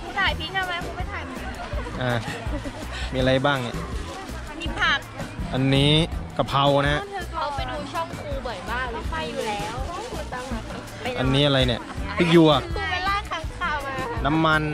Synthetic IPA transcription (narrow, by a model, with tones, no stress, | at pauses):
t̪ʰaː˨˩jpʰiː˥˩t̪ʰa˧˩wma˧˦˥kʰu˧˦ma˥˩jt̪ʰa˧˩˦jma˧˩˧ʔaː˧˩ | miː˧a˧ɾa˧jbaː˥˩ŋni˧˩ | a˧ni˦˥pʰa˦˥˩mʔa˧nːiː˦˥ka˧˩pʰa˧wna˦ɦa˦˥˧t̪ʰɤː˧kʰa˦˥wpa˧jduː˧t͡ɕʰɔ˥˩ŋkʰuː˧bɔ˨˩˦jbaː˥˩ŋla˨˧˥pa˧jːuː˨˩lɛː˦˥wʰu˧˩t͡ɕa˧a˨˩˧ʔa˧nːiː˦˥ʔa˧a˧jni˥˩ɐpʰiː˦˥˩juː˧˩a˨˩˧weː˧laː˧˥˩kʰaː˨˦˥ŋkʰaː˧wmaː˧na˦˥mːa˧n